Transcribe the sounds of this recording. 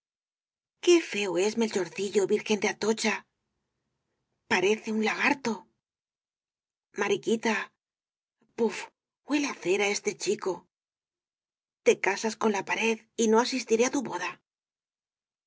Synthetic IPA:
ke̞fe̞oe̞sme̞lt͡ʃo̞ɾθiʎo̞βiɾxe̞nd̪eat̪ot͡ʃa | paɾe̞θe̞unlaɣ̞aɾt̪o̞ | maɾikit̪a | puf | bwe̞leaθe̞ɾae̞st̪e̞t͡ʃiko̞ | t̪e̞kasasko̞nlapaɾe̞ð | ino̞asist̪iɾe̞at̪uβo̞ða

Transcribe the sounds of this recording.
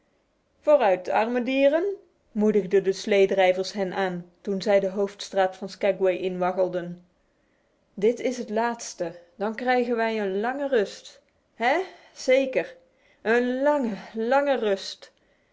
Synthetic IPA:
v̥oːrœɥt̚dəɑ̰ɹmədiːrən | mudəɣdədəslejdrɛjvəɹsɦɛnʔaːntunzɛjdəɦowftstraːtfɑnskaɡwejʔɪnʋɑkəlˠdən | dɪtɪsɦətlaːtstəd̥ɑnkrɛjɣənʋɛjənlɑŋərɵst | ɦɛ | z̥ejkər | ənlɑŋəlɑŋərɵst

